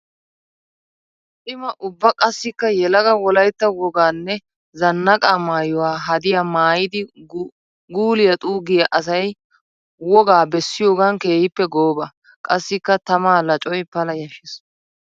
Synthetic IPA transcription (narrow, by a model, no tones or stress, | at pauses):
tʼɪmɐʔʊbːɐkʼɐsːɪkːɐjɛlɐɡɐwɔlɐjt̪ːɐwɔɡaːnːɛ | zɐnːɐkʼaːmaːjɔwaːɦɐd̪ɪjamaːjɪd̪ɪ | ɡuːlɪjɐt̪ʼuːɡɪjɐʔɐsɐj | wɔɡaːbɛsːɪjo̞ːɡɐnke̞ːhɪpːɛɡo̞ːbɐ | kʼɐsːɪkːɐt̪ɐmaːlɐt͡ʃʼɔjpɐlɐjɐʃɪs